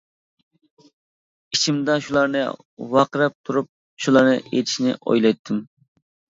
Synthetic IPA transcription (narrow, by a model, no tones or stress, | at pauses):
it͡ʃʰimd̪ɑʃulˠɑɾnɨ̰ | wɑqɾɛp̚t̪ʰuɾup̚ | ʃulˠɑɾnɨ̰ʔḛt̪ʰɪʃnɪ̰o̰jlˠɑjt̪ʰːɨm